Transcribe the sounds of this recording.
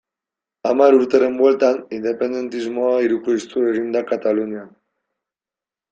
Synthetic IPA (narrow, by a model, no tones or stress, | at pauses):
amaɾuɾt̪eɾembolt̪anind̪epend̪ent̪izmɔaiɾukuist̪uɾeʒimd̪akat̪alunja